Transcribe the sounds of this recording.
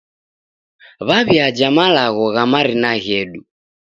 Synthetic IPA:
βaβiad͡ʒamalaɣɔɣamaɾinaɣɛɗu

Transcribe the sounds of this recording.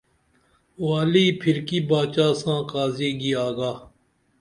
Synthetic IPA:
waːliːpʰɪɾkiːbaːt͡ʃaːsãːkaːzeːɡiːaːɡaː

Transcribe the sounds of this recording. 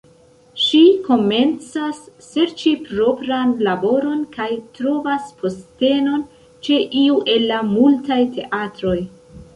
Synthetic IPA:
ʃiko̞me̞nt͡sasː | e̞ɾt͡ʃipɾo̞pɾanlabo̞ɾo̞nkajtɾo̞vaspʰo̞ste̞no̞n | t͡ʃe̞ʔiuʔe̞lːamultajtʰe̞ʔatɾo̞j

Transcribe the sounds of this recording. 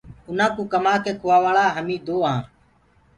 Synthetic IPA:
ʊnãːkũːkəmaːkeːkʰʊʋaːʋaːɭaːɦəmĩːd̪oːɦãː

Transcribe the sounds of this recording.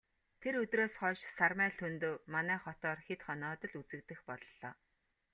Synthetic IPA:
t̪ʰeɾɵt̪roːsχɔːʃsarmæːɬʰɵnt̪oːmanæːχɔt̪ɔːrxet̪χɔnɔːt̪ɞ̆ɮut͡sɘ̆k̚t̪ɘ̆xpɔɮɞɮɔ̰ː

